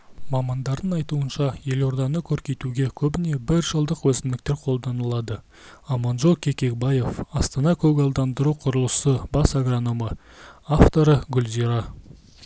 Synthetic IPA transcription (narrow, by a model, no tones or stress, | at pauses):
mɑmɑnd̪ɑɾd̪ənɑjt̪uənʃɑje̞lo̞ɾd̪ɑnəkʲʰɵɾkʲe̞jt̪uɡʲe̞kʲʰɵbɪne̞bɪɾʒəlˠd̪əqwɵsɪnd̪ɪk̚t̪e̞ɾqʰo̞lˠd̪ɑnəlˠɑd̪ə | ɑmɑnʒokʲʰe̞kʲe̞k̚baje̞fɑst̪ɑnɑkʲʰɵɡɑlˠd̪ɑnd̪əɾuqʰʊɾəlˠəsəbɑsaɡronomə | aft̪o̞ɾəɡʲʏlziɾɑ